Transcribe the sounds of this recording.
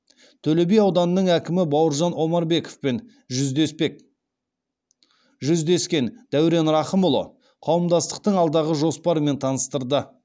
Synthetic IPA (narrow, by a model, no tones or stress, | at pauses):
t̪ʰɵle̞bejɑwd̪ɑnənəɴækʲɪmɪbɑwəɾʒɑnwo̞mɑɾbe̞ko̥fpe̞n | ʒʏzd̪e̞spe̞k̚ | ʒʏzd̪e̞skʲe̞nd̪̥æwɾe̞nɾɑχəmʊlˠo̞̰ | qʰɑwəmd̪ɑst̪ə̥q̚t̪əɴɑlˠd̪ɑʁəʒo̞spɑɾəme̞nt̪ʰɑnəst̪əɾd̪ə